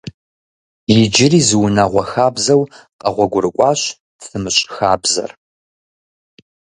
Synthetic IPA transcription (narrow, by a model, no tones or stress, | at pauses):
jɪd͡ʒɪriːzɨwʊnaʁʷɔxaːbzɐwqɐʁʷɔɡʷʊɾɨkʷʼɑːɕ | fɨmɨɕʼxaːbzɐ̰r